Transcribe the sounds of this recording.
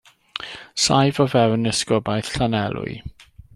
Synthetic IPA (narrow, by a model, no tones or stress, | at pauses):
sajvɔvɛwnɛskɔbajθɬanɛlˠʊ̰j